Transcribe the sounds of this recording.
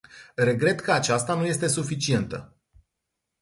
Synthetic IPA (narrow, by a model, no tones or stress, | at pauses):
re̞ɡɾe̞t̪kʰəat͡ʃast̪anuje̞st̪e̞sufit͡ʃie̞nt̪ə̰